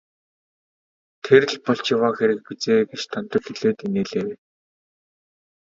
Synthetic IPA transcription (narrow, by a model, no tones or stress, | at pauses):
t̪ʰer̆ɮpɔɬt͡ɕjawaːxeɾɘ̆k̚pit͡seːɡet͡ɕt̪ʰant̪ɞ̆kxiɮeːt̪ineːɮeːwe